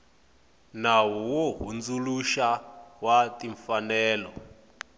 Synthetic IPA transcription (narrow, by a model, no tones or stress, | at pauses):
nawɔwoɦund͡zuluʃawatiɱfanɛːlɔ